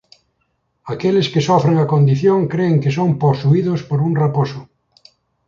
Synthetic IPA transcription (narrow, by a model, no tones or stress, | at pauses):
akelɪskɪsɔfɾeŋakond̪iθjõŋkɾeːŋkɪsomposuiðʊspoɾuŋraposʊ